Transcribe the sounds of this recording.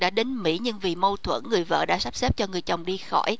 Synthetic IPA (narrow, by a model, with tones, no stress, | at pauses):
ɗa̰ː˧˥ɗe˨˦nmḭ˧˥ɲɨ˧ŋvi˨˩mo˧wt̪ʰwə˧˩nːɨ˨˩əjvə̰ː˧˨ɗa̰ː˧˥sa˦˥p̚se˦˥p̚t͡ɕɔ˧ŋɨ˨˩əjt͡ɕə˨˩wŋ͡mɗi˧xɔ˧˩j